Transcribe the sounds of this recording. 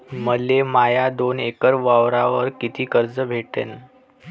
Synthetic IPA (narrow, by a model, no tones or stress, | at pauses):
məlːemajad̪onekəɾʋaʋɾaʋəɾkit̪iːkəɾd͡zəbʱeʈḛn